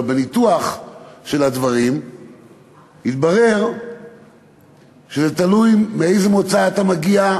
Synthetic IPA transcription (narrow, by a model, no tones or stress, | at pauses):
benit̪uaχʃe̞lad̪vaʁim | hit̪baʁe̞ʁ | ʃezet̪alujmeejzemot͡saːt̪amaɡia